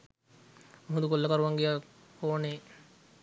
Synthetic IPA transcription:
muɦund̪ukolːəkaɾuʋaŋɡija | koːne

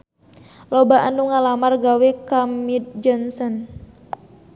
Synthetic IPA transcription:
lɔbaʔanuŋalamarɡawɛkamid̪̚d͡ʒɔnsɔn

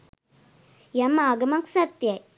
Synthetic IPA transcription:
jɐmaːɡɐmɐŋksɐt̪jɐ

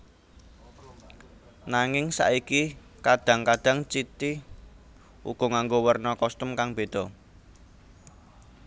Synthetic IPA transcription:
naŋɪŋsa̰ʔiki | kaɖ̥ä̤ŋkaɖ̥ä̤ŋt͡ʃit̪i | ṵɡ̥ɔ̤ŋaŋɡowərnɔkɔst̪əmkaŋb̥e̤d̪̥ɔ̤

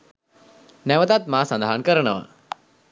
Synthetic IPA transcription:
nɛʋət̪at̪̚maːsɐnd̪aɦənkəɾəɳəʋa̰

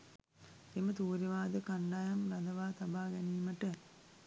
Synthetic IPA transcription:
emət̪uːɾiʋaːd̪əkaɳɖajɐmɾad̪əʋaːt̪abaːɡɛniːməʈə

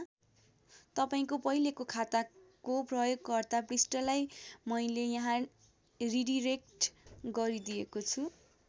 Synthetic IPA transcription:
t̪ʌpaĩkopʌɦilekokʰat̪akoprʌjoɡːʌrd̪aprisʈʌlajmʌjlejʌɦã | riɖiɾek̚ʈɡʌɾid̪ijekot͡sʰu

